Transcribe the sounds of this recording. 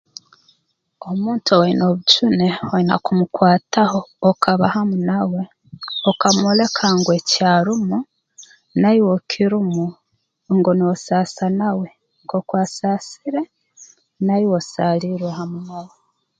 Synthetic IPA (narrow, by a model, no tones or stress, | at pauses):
omuːntʰoweino̞βut͡ʃunewoina̰kumukwaːtaho̞ːkʰaβahamunawe̞ | okamole̞kʰaŋɡwecaːɾumu | naiwokʰiɾumu | ŋɡoniosasanawe̞ | ŋkokwaːsaːsiɾe̞ | naiwosaːliɾwehamunawe